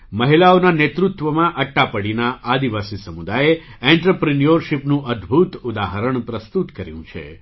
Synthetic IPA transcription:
məɦilaonanet̪ɾut̪ʋəmãʔəʈːapəɽinaʔad̪iʋasisəmud̪aje | ɛ̃ɳʈɾəpɾinijəɾʃipnũʔəd̪ʱbʱut̪ud̪aɦəɾəɳ̃pɾəst̪ut̪kəɾjṵ̃t͡ʃʰḛ

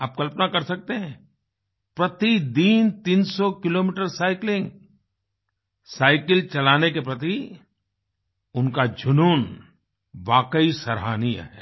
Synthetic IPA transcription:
aːp̚kɐlpnakɐɾsɐk̚t̪eɦɛ̃ː | pɾɐt̪id̪iːnt̪iːnsɔkɪloːmiʈəɾsaːɪklɪ̃ŋɡ | saːɪkəlt͡ʃɐlaːnek̬epɾɐt̪i | ʊnkad͡ʒʱʊnuːn | ʋaːkəisɐɾɦaːnijə̰ɦɛː

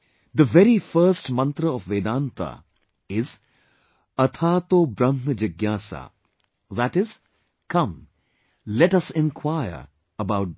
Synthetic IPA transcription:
d̪əʋɛɾifəɾsʈmɐ̃nt̪ɾəɔfʋeːd̪ãːnt̪a̰ | ɪz | ɐt̪ʰaːt̪oːbɾɐ̃mnəd͡ʒɐɡjaːsa̰ | ðæʈɪz̥ | kɐ̃m | lɛʈɐsɪ̃nkʰwaɪə̰ɾ | əbaʊʈ̚

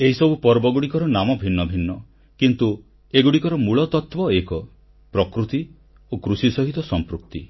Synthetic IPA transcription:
eɦisɔbupɔɾbɔɡuɽikɔɾɔnamɔbʱinːɔbʱinːɔ | kint̪u | eɡuɽikɔɾɔmuɭɔt̪ɔt̪wɔekɔ | pɾɔkɾut̪i | okɾusisɔɦit̪ɔsɔmpɾuk̚t̪i

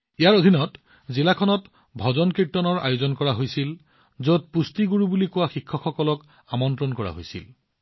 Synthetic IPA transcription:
ijaɹodʱinɔt | zilakʰɔnɔt | bʱɔzɔnkɹitːɔnɔɹa̰jʊzɔnkɔɹaɦojsil | zot̚pustiɡuɹubulikʊwaxikʰːɔxɔkɔlɔk | amɔntɹɔnkɔɹa̰ɦojsḭl

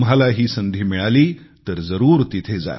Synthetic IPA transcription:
m̤alaɦiːsənd̪ʱiːmiɭaliːt̪əɾd͡zəɾuːɾt̪it̪ʰed͡za̰j

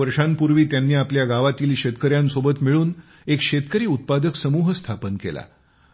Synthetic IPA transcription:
əɾʂanpuɾʋiːt̪janːiːapljaɡaʋat̪iːliːɕet̪kəɾjansobət̪miɭuːn | ekʂet̪kəɾiːut̪̚pad̪əksəmuːɦst̪ʰapənkḛla̰

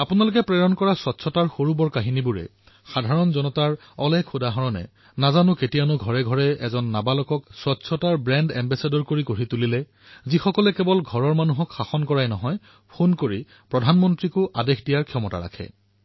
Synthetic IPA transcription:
apʊnalʊk̬ɛpɹɛɹɔnkɔɹasɔtsʰɔtaɹxoɹubɔɹkaɦinibuɹɛ̰ | xadʱaɹɔnzɔnɔtaɹ | ɔlɛkʰʊdaɦɔɹɔnɛ̰ | nazanʊketijanʊɡʱɔɹɛɡʱɔɹɛɛ̰zɔnːabalɔkɔkswɔtsʰɔtaɹbɹɛndɛmbɛsedɔɹkoɹikoɹitulilɛ | zixɔkɔlɛkɛbɔlɡʱɔɹɔɹmanuɦɔkxaxɔnkɔɹajnɔɦɔj | pʰonkoɹi | pɹɔdʱanmɔntɹikʊʔadexʰdijaɹkʰijɔmɔta̰ɹa̰kʰɛ̰

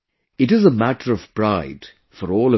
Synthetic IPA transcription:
ɨʈɨzəmæʈə˞ʌv̥pɹaɪd̥ | fəɾɔːlˠə

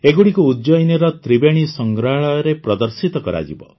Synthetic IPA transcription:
eɡuɽikuːdd͡ʒɔjnɔɾɔt̪ɾibeɽ̃isɔŋɡɾaɭɔjɾepɾɔd̪ɔɾsit̪ɔkɔɾa̰d͡ʒḭbɔ̰

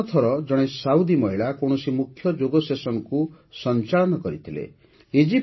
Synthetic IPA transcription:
t̪ʰɔɾɔd͡ʒɔɽ̃esaud̪imɔɦiɭakoɽɔsimukʰjɔd͡ʒoɡɔsesɔnɔku | sɔnt͡ʃaɭɔnɔkɔɾit̪ʰilḛ | ed͡ʒi

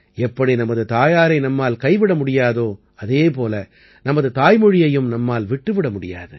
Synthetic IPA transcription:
ɛpːɐɽinɐmɐðɯt̪aːjaːɾɐɪnɐmːaːlkɐɪʋɪɽɐmʊɽɪjaːðoː | ɐðeːpoːlɐ | nɐmɐðɯt̪aːjmɯɻɪjɐjɯmnɐmːaːlʋɪʈːɯʋɪɽɐmʊɽɪja̰ːðɯ̰

